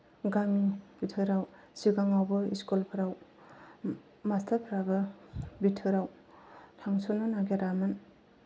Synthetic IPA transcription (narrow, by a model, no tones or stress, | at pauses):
ɡaŋib̥itʰɯɾaw | siɡaŋawbɯḭskolpʰɯɾaw | mastʰaɾpʰɾabɯbitʰɯɾaw | tʰaŋsonanaɡeɾamɯn